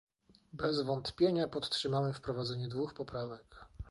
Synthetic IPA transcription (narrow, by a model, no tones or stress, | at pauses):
bɛzvɔnt̪pʲjeɲapɔt̪ːʂɘmawɛfpɾɔvad̪zɛɲɛd̪vuxpɔpɾavɛk